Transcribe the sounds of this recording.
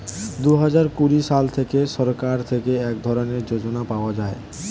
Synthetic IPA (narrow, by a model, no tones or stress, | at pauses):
d̪uɦad͡ʑaɾkuɾiʃalt̪ʰekeʃɔɾkaɾt̪ʰekeɛkd̪ʱɔɾoneɾd͡ʑod͡ʑonapaoad͡ʑae